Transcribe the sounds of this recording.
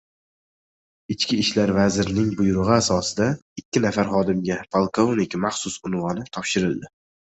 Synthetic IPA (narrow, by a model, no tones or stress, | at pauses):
ɪt͡ʃkʲʰɪːʃlaɾvazɪɾɪnɪŋbʊjʊɾʊʁɨasɒsɪd̪aɪkʲːɪnafaɾχɒd̪ɪmɡʲapʰalˠkʰo̞vnɪkʲmaχsʊsʊnvɒnɪt̪ʰɒpʃɪɾɪld̪ɪ